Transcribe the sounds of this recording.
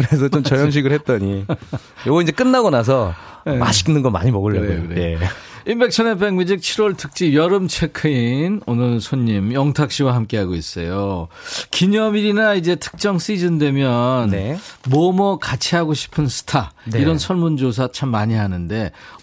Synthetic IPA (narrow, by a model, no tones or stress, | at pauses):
kɯɾes̬ʰʌt͡ɕomt͡ɕʌjjʌmɕ̬ʰiɡɯɭhet̚t͈ʌɲi | joɡind͡ʑe̞k͈ɯnːaɡonas̬ʰʌma̰ɕʰi̥knɯnɡʌma̰ɲimʌɡɯɭːɡokɯɾeeinbe̞k̚t͡ɕʰʌnep̬ʰeŋmid͡ʑik̚t͡ɕʰiɾwʌɭtʰɯk̚t͡ɕ͈ijʌɾɯmt͡ɕʰe̞kʰɯinonɯɭsʰoɲːimjʌŋtʰak̚ɕ͈iwaɦamk͈e̞ɦaɡois͈ʌjo | kiɲʌmiɾinaid͡ʑe̞tʰɯ̥k̚t͡ɕ͈ʌŋs͈id͡ʑɯndwe̞mjʌnnemomʌkat͡ɕʰiɦaɡoɕʰi̥pʰɯnsʰɯ̥tʰaiɾʌnsʰʌɭmund͡ʑos̬ʰat͡ɕʰamːaɲiɦanɯnde̞